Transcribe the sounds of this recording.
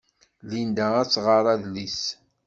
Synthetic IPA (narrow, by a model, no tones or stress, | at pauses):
lind̪ææt͡sːʁəɾˤɑðlis